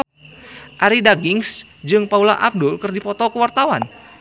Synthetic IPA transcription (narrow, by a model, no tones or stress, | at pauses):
ʔaɾidaɡɪŋs | d͡ʒɨŋpaulaʔab̚dʊlkɨrdipɔt̪ɔkəwart̪awan